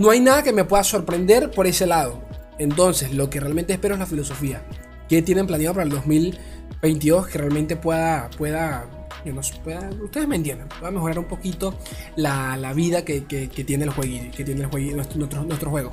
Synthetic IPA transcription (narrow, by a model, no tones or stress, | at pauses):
no̞ajnaðake̞me̞pwe̞ðaso̞ɾpɾe̞nd̪e̞ɾpo̞ɾe̞se̞laðo̞ | ent̪o̞nse̞slo̞kerealment̪espe̞ɾoe̞zlafilo̞so̞fia | ke̞t̪je̞ne̞mplanjaðopaɾeld̪o̞zmil | be̞jnt̪̬iðo̞skerealmẽ̞nt̪e̞pweðapwe̞ða | ɲonospweðaust̪e̞ðement̪jend̪anpweðame̞xo̞ɾaɾumpo̞kit̪o̞ | lalaβiðakekeket̪je̞nelxweɣiket̪jenelxweɣinwest̪nwest̪ɾonwe̞st̪ɾoxwe̞ɣo